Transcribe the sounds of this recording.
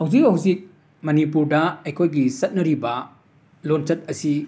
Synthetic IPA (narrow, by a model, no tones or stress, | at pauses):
hɐwzikɦɐwzik̚ | mɐnipuɾdɐɐjkʰojɡisɐt̚nɐɾibɐ | lont͡ʃɐt̚ɐsi